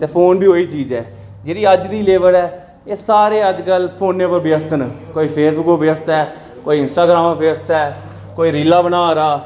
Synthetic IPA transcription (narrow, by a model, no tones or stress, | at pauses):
t̪eːpʰoːnbiːoːiːt͡ʃiːd͡ʒɛː | d͡ʒeːɾiːəd͡ʒd̪iːleːʋəlɛː | eːsaːɾeːəd͡ʒkəlpʰoːnːeːbəbjəst̪ənkoːiːpʰeːsbʊkobəst̪ɛː | koːiːɪnsʈaːɡɾaːmobɪəst̪ɛː | koːiːɾiːlaːbənaːɾaː